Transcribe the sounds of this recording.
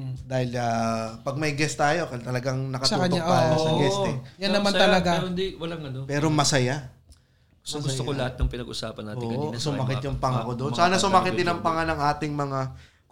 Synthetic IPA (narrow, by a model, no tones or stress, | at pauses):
d̪aːhɪlaːpɐɡ̚mɐjɡɛst̪aːjo̞kɐt̪ɐlɐɡaŋnɐkɐt̪sɐuːɐɲoaajoɐɡɛst̪ɛjɐnːɐmant̪ɐɐɡand̪iwɐlɐŋɐnopɛːɾomɐsɐja | soɡʊstt̪oolɐhat̪̚nɐŋpɪnɐɡʔʊ̰sa̰ːpɐnːaːoɪɐsʊmmɐkɪt̪jʊŋpɐŋakod̪onsaːnɐsʊmakɪt̪ɪnɐŋpɐŋanɐŋʔaːt̪ɪŋmɐŋa